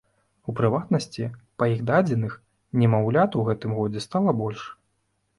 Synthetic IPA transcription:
upɾɨvat̪nɐsʲt͡sʲipɐjiɣd̪ad͡zʲɛnɨx | nʲɛmawlʲat̪uɣɛt̪ɨmɣɔd͡zʲɛst̪alˠɐbɔlʲʂ

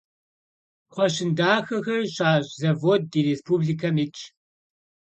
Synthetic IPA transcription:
χʷɔɕɪndaːxɐxɐrɕaːɕʼzɐvoːd̚ːiːɾeːspʰubɮikʰɐmɪt͡ʃʰʼ

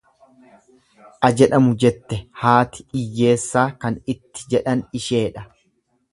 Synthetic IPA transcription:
ʔɐd͡ʒɛᶑɐmʊd͡ʒɛt̪ːɛhaːt̪ɪ̥ʔɪjːe̞ːsːaːkɐnɪt̪ːɪ̥d͡ʒɛᶑɐnɪʃe̞ːᶑɐ

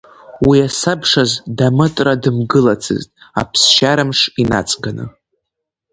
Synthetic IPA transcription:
wiasabʂazdamɨtʼradɨmɡɨlat͡sʰɨ̰ztʼa̰pʰsʃaɾɨmʂina̰t͡sʼɡanɨ̰

